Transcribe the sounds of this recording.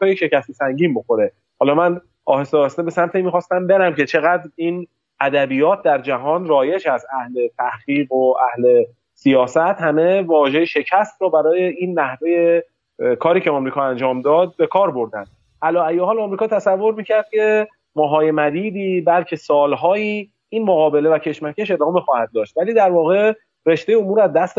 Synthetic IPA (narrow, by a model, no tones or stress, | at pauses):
kɒːjeʃe̞cæst̪esæŋɟiːnbo̞xo̞ɾe̞ | hɒːlɒmæn | ɒːhesɒɾst̪ebe̞sæmt̪ʰemixɒːst̪æmbe̞ɾæmcʰe̞t͡ʃʰe̞ɣæːd̪ɾiːn | æd̪æbijɒːt̪̚ʰd̪æɾd͡ʒæɦɒːnrɒːje̞ʃæst̪æhle̞t̪ʰæhɡiːɢoʔæhle̞ | sijɒːsæt̪hæme̞vɒːʒe̞jeʃe̞cʰæst̪ɾɔːbæɾɒːjeiːnːæhve̞je | kʰɒːɾiːcʰeɒmɾiːkʰɒːænd͡ʒɒːmd̪ɒːd̪̚be̞kʰɒːɾbo̞ɾd̪ænd̪̚ | ʔælɒːæjehɒːlɒmɾiːkʰɒːt̪ʰæsævːo̞ɾmiːcʰæɾd̪̥̚cʰe̞ | mɒːɦɒːje̞mæd̪iːd̪iːbælcʰe̞sɒːlɦɒːiː | iːnmoɣɒːbe̞le̞væcʰe̞ʃmæcʰeʃe̞d̪ɒːme̞xɒːhæd̪̚ːɒːʃt̪væliːd̪æɾvɒːɣe̞ | re̞ʃd̪ejeomuːɾæzd̪æst̪